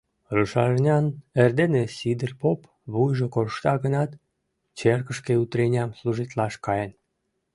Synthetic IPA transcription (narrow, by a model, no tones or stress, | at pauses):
ruʃɑʒnʲɑnerd̪enesid̪ərpop | βujʒokorʃt̪ɑɣənɑt̪ | t͡ɕerkəʃkeut̪renʲɑmsluʒit̪lɑʃkɑjən